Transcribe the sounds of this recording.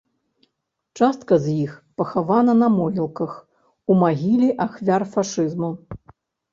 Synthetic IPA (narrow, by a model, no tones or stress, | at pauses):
t͡ʂast̪̚kɐzʲjixpɐxavanɐnɐmɔɣʲilˠkɐx | umaɣʲilʲiʔaxvʲarfaʂɨzmu